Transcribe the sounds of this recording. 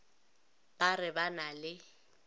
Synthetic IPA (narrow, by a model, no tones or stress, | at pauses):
b̥arɪbanalɪ